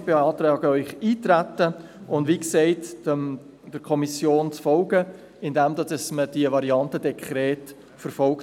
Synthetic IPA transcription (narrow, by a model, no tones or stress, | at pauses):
beɑːt̪ɾɑːɡəœʏχiːt̪ɾætːə | ʔʊndʋiksɛɪt | d̥əɾkʰɔmisjoːnt͡sfɔlɡə | ɪnd̪ɛmd̪ɑsəsməd̥iəvɑɾiɑntədɛkʰɾɛːt | fəɾfɔlk